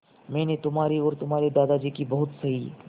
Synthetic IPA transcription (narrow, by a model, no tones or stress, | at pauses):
mɛ̃ːnet̪ʊmɦaːɾiɔːɾt̪ʊmaːɾed̪aːd̪ad͡ʒiːkibɐɦʊt̪sɐɦiː